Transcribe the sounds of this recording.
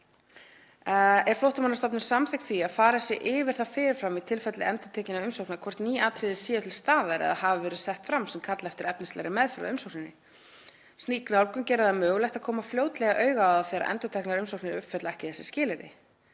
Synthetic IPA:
ɛɾ̥flowht̪amanːast̪ɔp̬nɪɾ̥samθɪjkt̪θviaðfaːɾasjɛʔɪvɪɾ̥θaðfɪːɾɪɾfɾamːit̪ʰɪlfɛt̪lɪɛnt̪ʏt̪ʰɛːcɪnaʏmsowknakʰvɔr̥t̪niːaːt̪ʰɾɪðɪsjɛːt̪ʰɪlst̪aːðaɾɛ̰ðahavɪvɛːɾʏsɛht̪fɾamsɛmkʰat̪laɛft̪ɪɾɛpnɪst̪ɛ̰ɾɪmɛðfɛɾa̰ʏmsowknɪnːɪ | st̪iːkɾawlkʏmcɛːɾɪðamœːɣlɛjht̪aðkʰɔːmafljoːwt̪lɛɣaʔœːɥɣaaðaθjɛɾa̰ʔɛ̰nt̪ʏt̪ʰɛknaɾʏmsowknɪɾʏpfɛt̪laɛhcɪ̥θɛsːɪ̥scɪːlɪɾɪ̰

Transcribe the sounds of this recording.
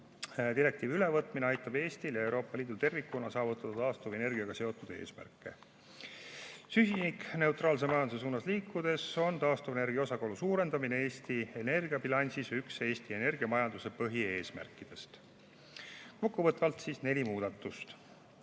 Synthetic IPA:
d̪iɾe̞k̚t̪iːvylevɤt̪ːˑmineɑjt̪ːˑɑb̥e̞ːsʲt̪iljɑe̞wɾo̞ːpːˑɑliːd̪ult̪e̞rvikːunɑsɑːvut̪ːˑɑd̪̥ɑt̪ɑːst̪ove̞ne̞rɡ̥iɑɡ̥ɑse̞o̞t̪ːˑud̪e̞̰ːsmæ̰rkːˑe̞̰ | sysinikne̞wt̪ˑrɑːls̬emɑjɑnd̪uses̬uːnɑsliːkːud̪e̞so̞nt̪ɑːst̪ovene̞rɡijɑo̞sɑko̞lusuːɾe̞nd̪ɑminee̞ːsʲt̪ie̞ne̞rɡiɑbilɑnʲsisykse̞ːsʲt̪ie̞ne̞rɡiɑmɑjɑnd̪use̞pɤɦie̞ːsmæ̰rkːˑid̪̥e̞st̪ | ko̞kːuvɤt̪ˑvɑlt̪sisnelʲimuːd̪̥ɑt̪ːˑust̪

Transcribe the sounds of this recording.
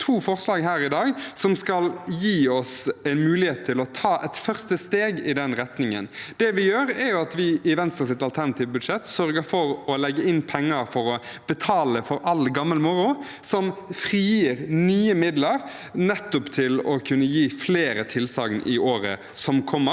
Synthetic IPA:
t̪ʰuːfɔʁslɑːɡɦæːɾɪd̪ɑːɡsɔmskɑljiːɔsæɪnmʉːlɪheːt̪ʰːɪlɔt̪ʰɑːʔɛt̪fœʁst̪əst̪eːɡɪd̪ɛnʁɛt̪nɪŋə̰nd̪̥ɛʋɪjøːɾɛɾjʊɑt̪ʋɪɪʋɛnst̪ʁəsɪt̪ɑlt̪ʰæɾnɑt̪ʰiːʋbʉd̪ʂɛt̪sœɾɡəɾfɔɾɔlɛɡːəɪnːpʰɛŋːɑɾfɔɾɔb̥ət̪ʰɑːləfɔɾʔɑlɡɑmːəlmʊɾʊ | sɔmfɾiːiɾnyːəmɪd̪ləɾ | nɛt̪ːʊpt̪ʰɪlɔkʰʉnːəjiːfleːɾət̪ʰɪlsɑːɡnʔɪʔoːɾə̰ | sɔmkʰɔmːə

